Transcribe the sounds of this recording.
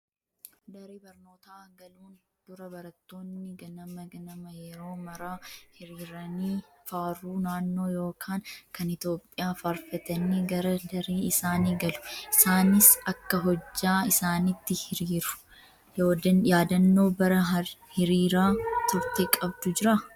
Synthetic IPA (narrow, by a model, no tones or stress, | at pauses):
d̪ɐɾiːbɐɾno̞ːt̪aːɡɐluːn | d̪̥ʊɾɐbɐɾɐt̪ːo̞ːnːɪɡɐnɐmɐɡɐnɐmɐjɛɾo̞ːmɐɾaːhɪɾiːɾɐniː | faːruːnaːnːo̞ːjo̞ːkʰaːŋkɐnɪt̪o̞ːpʼːɪjaːfaːɾfɛt̪ɐnːiɡɐɾɐd̪ɐɾiːɪsaːniːɡɐlʊ̥ɪsaːnɪsɐkːɐɦɔd͡ʒːaːɪsaːnɪt̪ːɪhɪɾiːɾʊ̥ | joːd̪ɐjaːd̪ɐnːo̞ːbɐɾɐɐhɪɾiːɾaːt̪ʊɾt̪ekʼɐbd̪ʊd͡ʒɪɾa